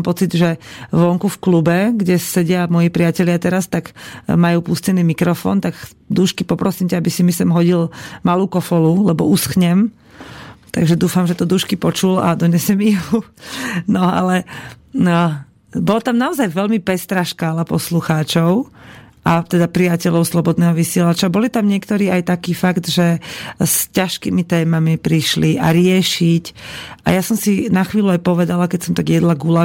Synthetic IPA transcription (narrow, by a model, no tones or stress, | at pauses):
mpɔt͡sid̪ʒɛʋɔŋkufklubɛɡɟɛsɛɟɪamɔjipɾiacɛʎɪat̪ɛɾast̪aɡmajuːpuscɛniːmikɾɔfɔ̰ːnt̪aɡ | d̪uʃkipɔpɾɔsiːmcaabisimisɛmɦɔɟilmaluːkɔfɔlulɛbɔusxɲɛm | t̪aɡʒɛd̪uːfamʒɛt̪ɔd̪uːʃkipɔt͡ʃula̰d̪ɔɲɛsɛmiju | nɔa̰lɛ | bɔlat̪amnaɔzajʋɛlmipɛst̪ɾaːʃkaːlapɔsluxaːt͡ʃɔʊʔat̪ɛd̪apɾijacɛʎɔʊslɔbɔd̪nɛːɦɔʋisɪɛlat͡ʃabɔlit̪amɲɪɛkt̪ɔɾiːajt̪akiːfaɡt̪ʒɛscaʃkimit̪ɛːmamipɾiʃlia̰ɾɪɛʃicʔa̰jasɔmsinaxʋiːluajpɔʋɛd̪alakɛcsɔmt̪aɡjɛd̪laɡula